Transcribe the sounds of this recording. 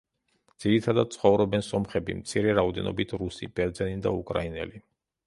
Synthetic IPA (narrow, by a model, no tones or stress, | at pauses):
d̪z̥iɾit̪ʰad̪ad̪̚t̪sʰχɔvɾɔbɛnsɔmχɛbimt̪sʰiɾɛɾaɔd̪ɛ̰nɔ̰bit̪ʰɾusḭb̥ɛɾd̪zɛnid̪a̰ukʼɾa̰inɛ̰li